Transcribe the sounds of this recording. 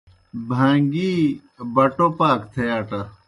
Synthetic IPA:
bʱãːŋɡiː | bɐʈoːpaːkt̪ʰejaːʈa

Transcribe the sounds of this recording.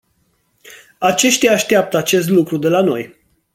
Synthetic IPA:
at͡ʃe̞ʃt̪ʲaːʃt̪eap̚t̪əat͡ʃe̞s̬t̪lukɾud̪e̞lano̞̰j

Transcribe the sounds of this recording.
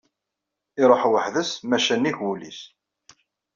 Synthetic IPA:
ɪɾˤoħwəħðəsmæʃæniʝwulḭs

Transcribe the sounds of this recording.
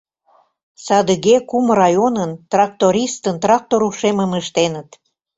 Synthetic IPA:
sɑd̪əɣekumrɑjonənt̪rɑk̚t̪oɾʲist̪ənt̪rɑk̚t̪oɾuʃeməməʃt̪enət̪

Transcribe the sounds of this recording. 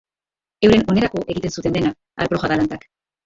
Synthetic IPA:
e̞wɾe̞no̞ne̞ɾako̞ʔe̞ɣit̪e̞nsut̪e̞nd̪e̞na | a̰ɾpɾo̞ʝaðalant̪ak

